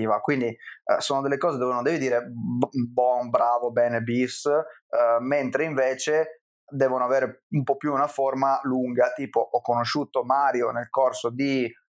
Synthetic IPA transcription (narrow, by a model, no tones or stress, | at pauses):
iːvakwind̪isoːnod̪elːekɔːzed̪ovonond̪ɛvid̪iːɾebɔnbɾaːvobɛːnebis | ment̪ɾeiɱveːt͡ʃe | d̪ɛːvonoaveːɾeumpɔpːjuːnaformaluŋɡat̪iːpoʔɔkːonoʃuːt̪omaːɾjonelkorsod̪i